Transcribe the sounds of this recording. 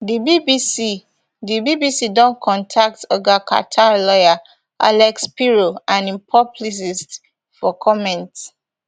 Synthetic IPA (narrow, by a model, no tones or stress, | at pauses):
dibibisi | dibibisidɔ̃nkʰɔ̃ntʰak̚tɔɡakʰa̰tʰalɔja | a̰lɛkspiɹoãnĩmpʰɔplis̬ist | fɔkʰɔmɛ̃nts